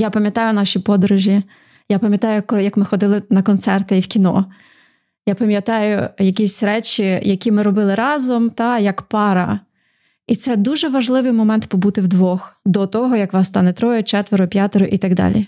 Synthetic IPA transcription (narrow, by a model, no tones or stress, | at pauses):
japɐmʲjɐt̪ɑjʊnɑʃʲipɔd̪ɾʊʒʲi | japɐmʲjɐt̪ɑjʊkjɐkmɪxɔd̪ɪlˠɪnɐkɔnt̪sɛrt̪eiwkʲinɔ̰ | japɐmʲjɐt̪ɑjʊjɐkʲisʲɾɛt͡ʃʲijɐkʲimɪɾɔbɪlˠɪɾɑzɔmt̪ɑjɐkpɑɾɐ | it̪sɛd̪uʒɛʋɐʒlˠɪʋɪjmɔmɛnt̪pɔbut̪ɪwd̪ʋɔxd̪ɔt̪ɔɦɔjɐkʋɑst̪ɑnɛt̪ɾɔjʊt͡ʃɛt̪ʋeɾʊpʲjat̪eɾʊʔit̪ɐɡd̪ɑ̰lʲḭ